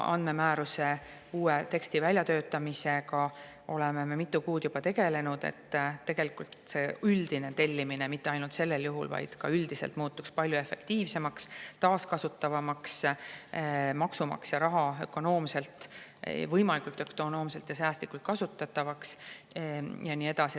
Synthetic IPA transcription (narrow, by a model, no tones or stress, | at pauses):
ɑ̰nd̪me̞mæːɾuse̞ | uːet̪e̞kst̪ivælʲjɑt̪ø̞ːt̪ːˑɑmise̞kɑ | o̞̰le̞me̞memit̪ːˑukuːd̪̥jubɑt̪e̞ɡ̥e̞le̞nud̪̥ḛt̪ːt̪ːe̞ɡ̥e̞likult̪se̞yld̪̥ine̞t̪e̞lʲːimine̞mit̪ːeɑjnult̪se̞lːe̞ljuɦṵlvɑ̰jd̪̥kɑ̰yld̪̥ise̞lt̪muːt̪ːˑukspɑlʲjue̞fe̞kt̪iːvse̞mɑkst̪ɑːskɑsut̪ːˑɑvɑmɑks | mɑksumɑ̰ksjɑɾɑɦɑø̞kːˑo̞no̞ːmse̞lt̪vɤjmɑlikult̪ːø̞kt̪ono̞ːmse̞lt̪jɑs̬æːst̪likːˑult̪̚kɑsut̪ːˑɑt̪ːˑɑvɑks | jɑnie̞d̪̥ɑsi